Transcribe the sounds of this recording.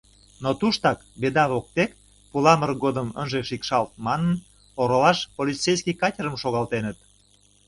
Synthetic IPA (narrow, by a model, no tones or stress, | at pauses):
not̪uʃt̪ɑkbed̪ɑβok̚t̪ek | pulɑmərɡod̪əmə̰nʒeʃikʃɑlt̪̚mɑnən | oɾolɑʃpolʲit͡sejskʲikɑtʲəɾəmʃoɣɑlt̪enət̪